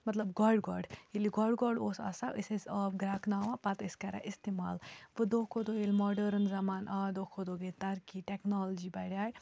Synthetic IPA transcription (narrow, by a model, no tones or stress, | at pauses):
mɐt̪lɐbɡɔɖɡɔːɾɖiliɡɔɖɡɔːɾɖoːsa̰saʔisizəɡɾaːknaːʋapɐt̪ɪskɐɾa̰ʔist̪ema̰ːlʋɨd̪okʰod̪oelmɔːɖəɾnzɐmaːnʔaːd̪oːkʰod̪oːɡelt̪ɐɾkiːʈɛknɔld͡ʒibɐɽʲaːj